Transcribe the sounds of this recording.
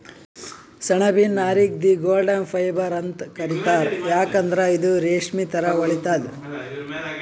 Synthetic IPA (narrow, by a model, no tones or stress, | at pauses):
sɐɳɐbinːaːɾik̚d̪iɡoːlɖɐnpʰɐjbɐɾɐnt̪kɐɾit̪aːɾjaːkɐnd̪ɾɐid̪uɾeːʂmit̪ʰɐɾɐʋɐɭit̪aːd̪u